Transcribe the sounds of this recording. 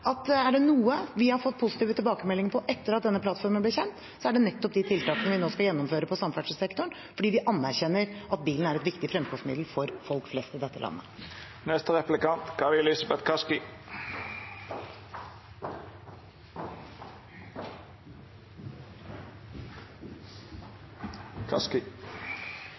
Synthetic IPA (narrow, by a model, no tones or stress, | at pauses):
ɑt̪æɖɛnuːəʋɪhɑɾfɔt̪ːpʰʊsɪ̥t̪iːʋət̪ʰɪlbɑːkəmɛlːɪŋəpʰɔʔɛt̪ːəɾɑt̪̚d̪ɛnːəpʰlɑt̪fɔɾmənblɪɾçɛnt̪ | sɔæɖɛnɛt̪ːɔp̚d̪ɪt̪ʰɪlt̪ɑːkənəʋɪnoːskɑljɛnːɔmføːɾəpʰɔsɑmfæɖʂsɛkt̪ɔɳ | fɔɖiːʋɪʔɑnːæɾçɛnːəɾʔɑt̪̚biːln̩æɾɛt̪ʋɪkt̪ɪfɾɛmkʰɔŋsmɪ̰d̪l̩fɔɾfɔlkflɛst̪ɪd̪ɛt̪ːəlɑ̰nːə | nɛst̪əʁɛplɪkɑnt̪kʰɑʋɪlɪsɑbɛt̪kʰɑskɪ | kʰɑskɪ